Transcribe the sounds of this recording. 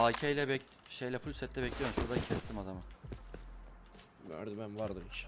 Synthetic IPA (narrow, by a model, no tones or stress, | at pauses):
acʰejlʲɛbɛ | ʃejlʲɛfulʲsɛt̪lːʲɛbɛclʲijomʃuɾd̪acʰɛst̪ʰimad̪amɯ | mø̰ɾd̪ibænvaɾd̪ɯmiʃ